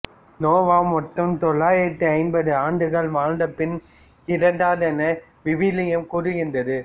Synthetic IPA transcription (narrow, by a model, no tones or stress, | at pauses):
noːʋaːmɔʈːɐmt̪ɔɭːaːjɪɾɐt̪ːɯɐɪnbɐðɯaːɳɖɯɣɐɭʋaːɻd̪ɐpːɪn | ɪɾɐɳɖaːðɛnɐ | ʋɪʋɪlɐjɐmkʊɾɯɣɪndɐðɯ